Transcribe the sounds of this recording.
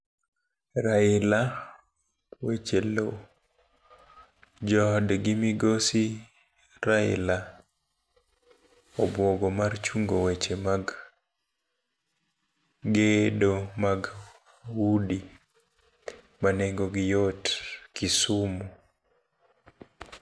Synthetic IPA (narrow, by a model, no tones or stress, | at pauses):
ɾaɪla | wet͡ʃelo | d͡ʒɔdɡimiɡosi | ɾaɪ̰la | ɔbwɔɡɔmart͡ʃuŋɡowet͡ʃemaɡ | ɡedomaɡ | wudi | maneŋɡoɡɪjotkisumu